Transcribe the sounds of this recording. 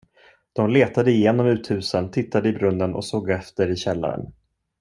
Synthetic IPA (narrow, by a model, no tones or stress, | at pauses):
d̪̥ɔmleːt̪ad̪əɪjeːnɔmʉ̟ːt̪hʉ̟ːsənt̪ʰɪt̪ʰːad̪əɪbɾɵnːənɔ̰soːɡɛft̪əɾɪɕɛlːa̰ɾə̰n